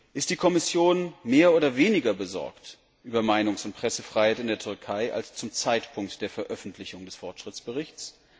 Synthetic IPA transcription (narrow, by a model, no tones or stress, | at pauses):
ʔɪst̚d̥iːkʰɔmɪsjoːnmeːɐʔoːdɐveːnɪɡɐbəzɔ̰ɐkt | ʔyːbɐmaɪnʊŋsʊnt̚pʁ̥ɛsəfʁ̥aɪhaɪtɪndeːɐtʰʏɐkʰaɪʔa̰lst͡sʊmt͡saɪtpʰʊŋk̚td̥eːɐfɛɐʔœfn̩tʰlɪçʊŋdɛsfɔɐtʃʁ̥ɪt͡sb̥əʁɪçs